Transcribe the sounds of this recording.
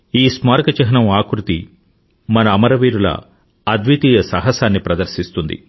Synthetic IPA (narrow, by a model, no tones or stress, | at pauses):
iːsmaːɾkɐt͡ʃɐɦɐnɐmaːkɾut̪i | mɐnɐːmɐɾɐʋiːɾulɐ̰ | ɐd̪ʋit̪iːjɐsɐɦɐsaːnːipɾɐd̪ɐɾʃist̪und̪ḭ